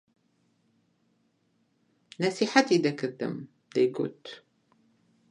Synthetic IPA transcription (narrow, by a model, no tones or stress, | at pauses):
næsiħat̪id̪ækəðːə̰m | d̪æjɡʊ̰lt̪